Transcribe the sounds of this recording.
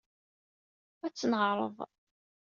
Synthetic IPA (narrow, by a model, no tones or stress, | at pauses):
æt͡sːənʁɾˤə̰ðˤ